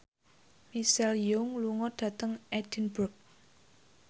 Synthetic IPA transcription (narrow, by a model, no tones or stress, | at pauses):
misɛljʊŋluŋɔɖ̥ä̤t̪əŋɛd̥inburk̚